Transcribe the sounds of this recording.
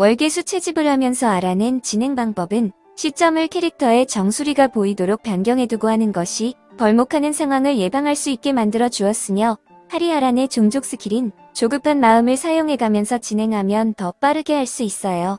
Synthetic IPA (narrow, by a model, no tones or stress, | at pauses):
wʌɭɡe̞sʰut͡ɕʰe̞d͡ʑibɯɭhamjʌnsʰʌaɾanɯnt͡ɕinɦe̞ŋbaŋbʌbɯn | ɕʰit͡ɕ͈ʌmɯɭkʰeɾik̚tʰʌe̞t͡ɕʌŋsʰuɾiɡapoidoɾok̚p͈janɡjʌŋɦe̞duɡoɦanɯnɡʌɕʰi | pʌɭmokʰanɯnsʰeŋɦwaŋɯɭje̞baŋɦaɭs͈uit̚k͈e̞mandɯɾʌd͡ʑuʌs͈ɯmjʌ | haɾiaɾane̞t͡ɕoŋd͡ʑok̚s͈ɯkʰiɾin | t͡ɕoɡɯpʰanmaɯmɯɭsʰajoŋɦe̞ɡamjʌnsʰʌt͡ɕinɦe̞ŋɦamjʌntʌp͈aɾɯɡe̞ɦaɭs͈uis͈ʌjo